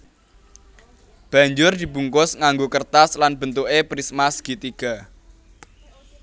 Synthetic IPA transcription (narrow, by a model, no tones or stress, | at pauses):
b̥ä̤ɲd͡ʒʊrd̪̥i̤buŋkʊsŋaŋɡokərt̪aslanb̥ənt̪uʔepɾismasɡ̥i̤t̪iɡ̥a̤